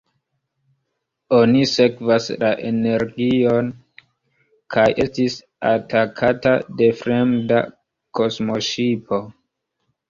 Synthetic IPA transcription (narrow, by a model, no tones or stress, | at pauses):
onise̞kvaslaʔe̞ne̞ɾɡio̞n | kʰajʔe̞stis | a̰takʰatade̞fɾe̞mda̰ | ko̞smo̞ʃipo̞